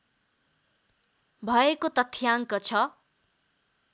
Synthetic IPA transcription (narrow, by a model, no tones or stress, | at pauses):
bʱʌekot̪ʌt̪ʰjaŋkʌt͡sʰʌ